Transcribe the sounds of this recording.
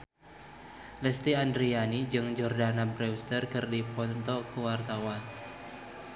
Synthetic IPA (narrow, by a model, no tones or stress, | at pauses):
lɛst̪iandɾianid͡ʒɨŋd͡ʒɔrdanabɾɛust̪ərkɨrdipɔnt̪ɔkəwart̪awan